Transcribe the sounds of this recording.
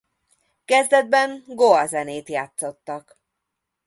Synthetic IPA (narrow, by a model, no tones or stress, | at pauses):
kɛzd̪ɛd̪̚bɛŋɡoɒzɛneːt̪jaːt̪so̞t̪ːɒk